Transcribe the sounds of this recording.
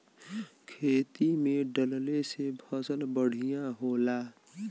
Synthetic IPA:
kʰeːt̪imẽɖəllesebʰəsəlbəɽ̤ijãɦola

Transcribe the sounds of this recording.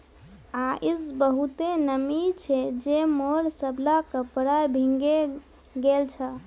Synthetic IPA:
aʔisbəɦut̪enəmit͡ʃʰɛd͡ʒemoɾsəblakəpəɾajbʱĩŋɡe | ɡelt͡ʃʰə

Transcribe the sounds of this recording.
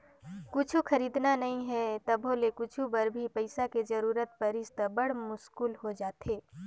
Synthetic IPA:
kʊt͡ʃʰuxɐɾiːd̪nanɐɦĩɦɛt̪ɐbʱolekʊt͡ʃʰubɐɾbʱipɐɪsakezɐɾuːɾət̪̚pɐɾɪst̪əbɐɽ̤mʊskuːlɦod͡ʒaːt̪eː

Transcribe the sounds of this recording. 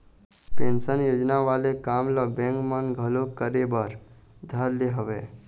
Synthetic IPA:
pẽːnʃənjoːd͡ʒnaʋaːlekaːmləbɛ̃ːŋkmənɡʱəlokəɾebəɾ | d̪ʱəɾleɦəʋḛː

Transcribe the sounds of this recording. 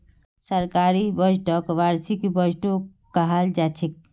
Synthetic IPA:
səɾkaɾibəd͡ʒʈɔkʋaɾsikbəd͡ʒʱʈo | kaɦald͡ʒat͡ʃʰik̚

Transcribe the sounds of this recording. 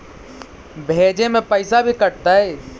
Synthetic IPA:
bʱeːd͡ʒemẽpəɪsabʱikɐɾt̪aɦɛː

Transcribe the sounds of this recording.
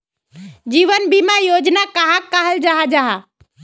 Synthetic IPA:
d͡ʒiːʋənbimajod͡ʒnakaɦãkəɦəld͡ʒaɦad͡ʒaɦa

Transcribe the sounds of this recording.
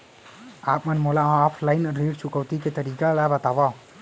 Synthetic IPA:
aːp̚mənmoːlaãaːpʰlaːɪnɾeːɖt͡ʃʊkəwt̪iket̪əɾiːkalabət̪aːʋa

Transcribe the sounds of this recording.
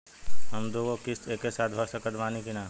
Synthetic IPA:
ɦəmd̪oːɡokɪseːkːesaːt̪̚ʰbʱəɾsəkət̪ʋaːnikinaː

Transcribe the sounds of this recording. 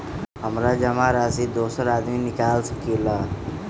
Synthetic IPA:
ɦəmɾad͡ʒəmaɾasid̪osəɾad̪minikalsə̥kilə

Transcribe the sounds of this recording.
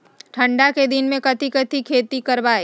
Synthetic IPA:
ʈʰə̃ɳɖaked̪ɪnmẽkɐt̪ʰikɐt̪ʰikʰeːt̪ikɐɾʋaːeː

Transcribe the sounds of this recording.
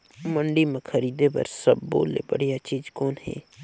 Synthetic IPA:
məɳɖimẽkʰɐɾiːd̪epɐ̰ɾsəbːo̰ːlḛbəɽ̤ijat͡ʃiːd͡ʒkɔːnɦɛ̰ː

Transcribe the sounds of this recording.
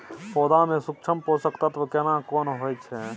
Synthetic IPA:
pɔːd̪amẽsuk̚t͡ʃʰəmposəkt̪at̪ʋkɛnakɔːnɦojt͡ʃʰɛ

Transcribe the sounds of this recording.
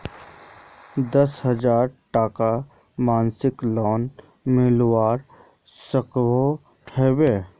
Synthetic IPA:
d̪əsɦəd͡ʒaːɾʈaːka | maːnsɪklɔːn | mɪlwaːɾ | səkwo | ʈʰɛːweː

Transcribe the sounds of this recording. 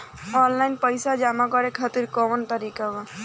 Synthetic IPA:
ɔnlainpəjsad͡ʒamakɔɾekʰat̪iɾkɔʋənt̪əɾikaba

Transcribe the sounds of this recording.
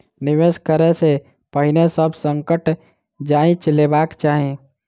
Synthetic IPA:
niʋeskəɾɛse | pəɦinesəbʱsəŋkəʈ | d͡ʒaĩt͡ʃlebakt͡ʃaɦĩ

